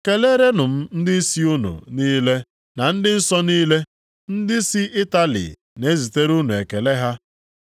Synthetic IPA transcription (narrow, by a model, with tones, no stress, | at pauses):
ke˨le˦ɾe˦nʊ˨m̩˦n̩˦dɪ˦n̩˦si˦u˦nṵ˨niː˦le˦ | na˨n̩˦dɪ˦n̩˦sɔ˦niː˦le˦ | n̩˦dɪ˦si˦ʔɪ˦ta˦lḭ˨ | ne˦zi˨te˦ɾu˦nu˨e˨ke˨le˦ɦa˦